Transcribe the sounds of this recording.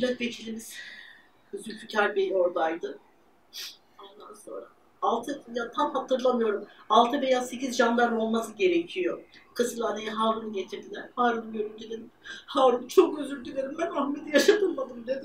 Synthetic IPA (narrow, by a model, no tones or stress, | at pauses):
lakve̞c̪ʰilʲimiz̥ | øzylʲt̪ʰycʰaɾbejo̞ɾd̪ajd̪ɯ | o̞nd̪anso̞̰nɾaː | lˠt̪ʰɯjat̪ʰamhat̪ʰɯɾlˠamɯjo̞ɾumalˠt̪ʰɯbe̞jase̞cizʒand̪aɾo̞lˠmasɯɟe̞ɾecʰijokʰɯsɯlˠanejaɦaːɾunɯɟe̞t̪ʰiɾd̪ilʲæɾ̥haːɾunɯɟøɾynt̪ʰylʲeɾihaːɾunɯt͡ʃʰo̞køzylʲd̪ʰylʲeɾimbænahmed̪ijaʃat̪ʰɯlˠmad̪ɯmd̪ed̪ɪ